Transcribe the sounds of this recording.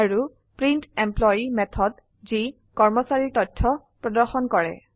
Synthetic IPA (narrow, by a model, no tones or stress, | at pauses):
aɹu | pɹintemplɔjimɛt̪ʰɔd | zi | kɔɹmɔsaɹitɔtʰːɔ | pɹɔdɔɹxɔnkɔɹɛ̰